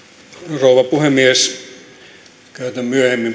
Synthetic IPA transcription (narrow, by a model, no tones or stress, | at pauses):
rouʋɑpuhemies | kæyt̪æmmyøhemːim